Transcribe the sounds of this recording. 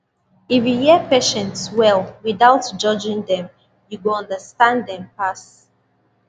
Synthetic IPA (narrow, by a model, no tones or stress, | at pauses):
ifjujɛpeʃɛ̃ntswɛlwiðaʊtd͡ʒʌd͡ʒɪ̃ŋdɛ̃m | juwəlʌ̃ndəstãndɛ̃mpas